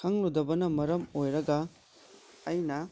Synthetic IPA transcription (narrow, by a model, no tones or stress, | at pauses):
ɐŋludɐbɐnɐmɐɾɐmojɾɐɡɐː | jnɐ